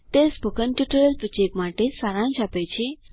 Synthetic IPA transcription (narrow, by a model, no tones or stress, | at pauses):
t̪esbukənʈuʈəɾəlput͡ɕekmaʈesaɾãnt͡ɕapəjt͡ɕʰe